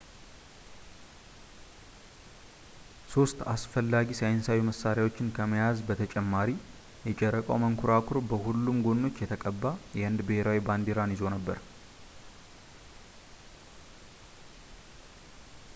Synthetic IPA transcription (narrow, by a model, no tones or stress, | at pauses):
so̞st̪a̰sfəlːaɡisajnsawiməsaɾjawo̞t͡ʃːɪnkʰəməjazbət̪ʰət͡ʃʼɛmːaɾi | jɛt͡ʃʼɛɾəkʼə̰wməŋkʰuɾakʰʊɾbəhulːumɡo̞nːo̞t͡ʃːjɛt̪ʰəkʼəbːajɛɨnd̪bɨheɾawiband̪iɾanjɪzo̞nəbːə̰ɾ